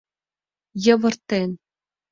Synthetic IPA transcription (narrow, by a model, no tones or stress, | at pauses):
jɤ̆ʋɤ̆rt̪en